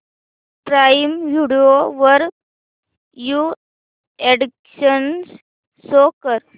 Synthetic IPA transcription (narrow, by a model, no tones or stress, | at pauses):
pɾajimʋʱiɽioʋəɾ | ju | eɽikɕəns | sokəɾ